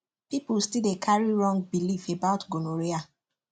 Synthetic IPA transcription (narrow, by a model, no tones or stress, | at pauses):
pipulstildekʰaɹiɹɔ̃ŋɡ̚bilifebaʊtɡonoɹia